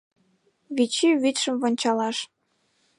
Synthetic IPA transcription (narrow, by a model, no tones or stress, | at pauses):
βit͡ɕiβyt̪ʃə̆mvŏnʲt͡ɕɑlɑʃ